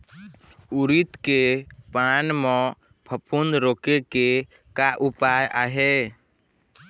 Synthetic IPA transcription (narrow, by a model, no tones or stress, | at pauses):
uɾit̪kepanmɔ̃ | pʰəpʰund̪ɾokeke | kaʔupaja̰ːɦe